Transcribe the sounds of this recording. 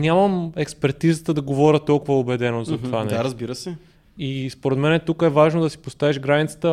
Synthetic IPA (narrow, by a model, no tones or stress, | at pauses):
nʲaməmɛkspɛɾt̪izət̪əd̪ɐɡovɔɾʲət̪ɔlˠkʊvəobɛd̪ɛnozɐt̪ovanɛaɾəzbiɾəsɛ | ispoɾɛd̪mɛnɛt̪ukəɛvaʒnod̪ɐsi̥post̪aviʒɡɾanʲit̪sə̥t̪ə